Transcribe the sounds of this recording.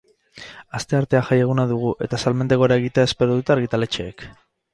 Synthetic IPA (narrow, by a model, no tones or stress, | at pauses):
ast̪e̞aɾt̪e̞aʝajeɣ̞unaðuɣ̞uʔe̞t̪asalmend̪eɣo̞ɾae̞ɣ̞it̪eae̞spe̞ɾoðut̪aɾɣit̪ale̞t͡ʃe̞ːk